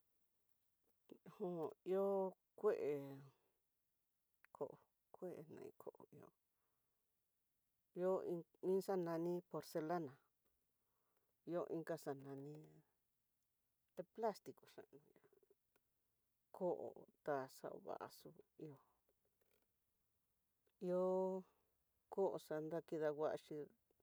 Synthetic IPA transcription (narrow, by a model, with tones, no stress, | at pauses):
hõ˦˨i˦o˦ | kʷe˦ʔe˨ | kʰo˧˦ʔo˨ | kʷe˦ʔe˨nã̰˧˨ḭ̃˧kʰo˦ʔo̰˨i˧o̰˧ | i˦o˦ĩ˧ĩ˦sa˦nã˧nĩ˦po˧ɾse˧la˦nã˨ | i˧o˦˧ʔĩ˦ŋka˦˧sa˧nã˧nĩ˧ | t̪e˧pla˦st̪i˨ko˨ʂã̰˧ʔnũ˧ja˨ | kʰo˦ʔo̰˨t̪a˧˨sa̰˦˧ʔo̰˧βa̰˨ʔa̰˨su˧i˧o˧ | i˦o˦ | ko˦ʔo˨˧sa˧nd̪a˦˧ki˧ða˧wa˦ʔʃi˧